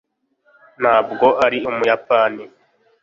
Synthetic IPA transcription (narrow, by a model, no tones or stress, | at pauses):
n̤̥haːb̚ɡo̞ʔaɾiumujapani